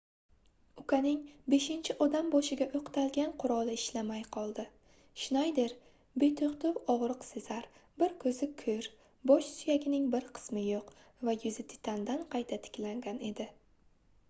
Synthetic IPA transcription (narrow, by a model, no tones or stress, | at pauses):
ʊkʰanɪŋbe̞ʃɪnt͡ʃʰɪʔɒd̪ambɒʃɪɡʲaʔoqt̪ʰalɡʲanqʰʊɾɒlˠɪɪʃlamajqʰɒlˠd̪ɪ | ʃɪnajd̪eɾ | be̞t̪ʰoʁt̪ʰʊwɒʁɾɨqsɪzaɾbɪɾkʰɵzɪkʰɵɾ | bɒʃsʊjaɡʲɪnɪŋbɪɾqʰɨ̥smɪjoq | vajʊzɪt̪ʰɪ̥t̪ʰand̪anqʰɑjt̪ʰat̪ʰɪ̥kʲlaŋɡʲane̞d̪ɪ